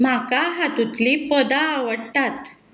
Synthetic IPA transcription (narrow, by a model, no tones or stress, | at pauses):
m̤akaɦat̪ut̪lipəd̪aːʋəɽʈ̪at̪